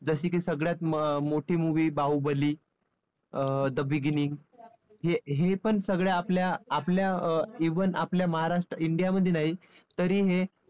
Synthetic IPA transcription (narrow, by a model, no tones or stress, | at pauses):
d͡zəɕiːkiːsəɡɭjat̪̚moʈʰiːmuʋiːbaubəliː | d̪əbiɡiniŋɡ | ɦeɦepəɳsəɡɭjaːpljaːpljaiʋənʔapljaməɦaɾaʂʈɾəiɳɖijaməd̪ʱːjenaɦi | t̪əɾiːɦe